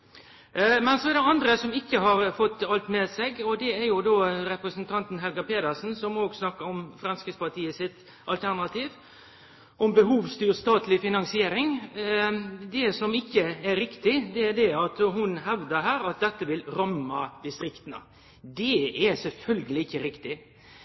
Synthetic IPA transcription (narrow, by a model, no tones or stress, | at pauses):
mɛnsɔɛd̪ɛɑnd̪ɾəsɔmɪkːəɦɑɾfɔt̪ːɑlt̪mɛsɛɡɔd̪ɛæɾjʊd̪oːɾɛpɾəsənt̪ʰɑnt̪n̩ɦɛlɡɑpeːd̪əsn̩sɔmoːɡsnɑkːəɾɔmfɾɑnskəspɑt̪ʰiːəsɪt̪ | ʔɑlt̪ʰæɾnɑt̪ʰiːʋ | ʔɔmbəɦuːʋst̪yːɾst̪ɑːt̪lɪfɪnɑnsɪeːɾɪŋ | d̪ɛsɔmɪkːəæɾɾɪkt̪ɪd̪ɛæd̪ɛɑt̪hʊnɦɛʋd̪əɾɦæːɾɑt̪̚d̪ɛt̪ːəʋɪlɾɑmːɑd̪ɪst̪ɾɪkt̪ənə̰ | d̪ɛæsɛlfœlɡəlɪɪçːəɾɪkt̪ɪ